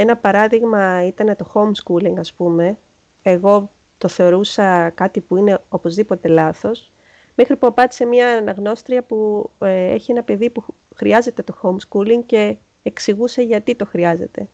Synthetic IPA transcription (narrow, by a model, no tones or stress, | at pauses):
e̞nɐpɐɾɐðiɣmɐit̪ɐne̞t̪o̞xo̞mskuliŋɡɐspume̞ | eɣo̞ | t̪o̞θe̞o̞ɾusɐkɐt̪ipuine̞o̞po̞zðipo̞t̪e̞lɐθo̞s | mexɾipuɐpɐt̪i̥se̞mɲɐːnɐɣno̞st̪ɾiɐpu | ḛçie̞nɐpe̞ðipu | xɾiɐze̞t̪e̞t̪o̞xo̞mskuliŋɡce̞ː | ksiɣuse̞ʝɐt̪it̪o̞xɾiɐze̞̰t̪e̞